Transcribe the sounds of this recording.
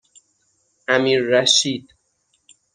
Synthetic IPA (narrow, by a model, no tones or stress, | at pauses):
ʔæmiːɾːæʃiːd̪̥